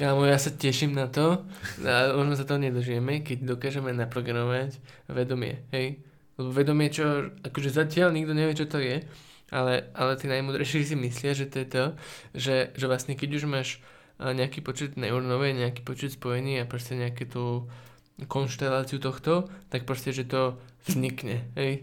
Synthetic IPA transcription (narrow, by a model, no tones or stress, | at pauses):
kaːmɔjaːsacɛʃiːmnat̪ɔamɔʒnɔs̬at̪ɔɦɔɲɛd̪r̩ʒɪjɛmɛkɛɟ̚d̪ɔkaːʒɛmɛnapɾɔɡanɔʋac | ʋɛd̪ɔmɪɛ̰ɦɛj | lɛbɔʋɛd̪ɔmɪɛt͡ʃɔakɔʒɛzacɪalɲiɡd̪ɔɲɛʋɪɛt͡ʃɔt̪ɔjɛ | ʔalɛʔalɛt̪iːnajmuːd̪ɾɛɪʃɪis̬imislɪaʒɛt̪ɔjɛt̪ɔʒɛʒɛʋlasɲɛkɛɟuʒmaːʃ | ɲɛakiːpɔt͡ʃɛd̪na̰uɾnɔʋɛɲɛakiːpɔt͡ʃɛt̪spɔjɛɲiːapɾɔscɛɲɛakɛt̪u | kɔnʃt̪ɛlaːt͡siut̪ɔxt̪ɔt̪ak̚pɾɔscɛʒɛt̪ɔvzɲikɲɛɦɛj